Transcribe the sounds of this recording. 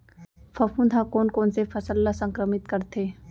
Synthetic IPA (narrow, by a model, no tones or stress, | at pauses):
fʰɐfũnd̪ʱakoːnkoːnsefʰɐsəlːasə̃ŋkɾəmɪt̪kɐɾt̪ʰeː